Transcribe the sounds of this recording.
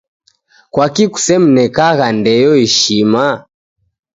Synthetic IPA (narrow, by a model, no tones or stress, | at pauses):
kwakiku̥sɛm̩nɛkaɣandɛjɔiʃima